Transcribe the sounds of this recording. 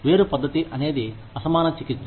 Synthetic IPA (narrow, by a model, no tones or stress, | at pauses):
ʋe̞ːɾupɐd̪ːɐt̪iʔɐne̞ːd̪i | ɐsɐmaːnɐt͡ʃikit͡ʃː